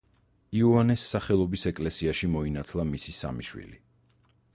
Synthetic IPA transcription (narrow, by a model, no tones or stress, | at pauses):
iuanɛsːaχɛlˠɔbisɛkʼlɛsiaʃimɔinat̪ʰlˠamisisa̰miʃwḭli